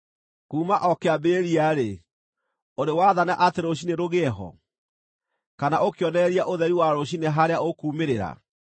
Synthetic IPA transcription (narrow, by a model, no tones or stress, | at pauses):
kuːmaʔɔkeabeːɾiaɾe | oɾewaðanaʔateɾoɕ̬ineɾoɣɛɛɦɔ̰ | kanaʔokejɔnɛɾiaʔoðɛɾiwaɾoɕineɦaɾeaokuːmeɾeɾa̰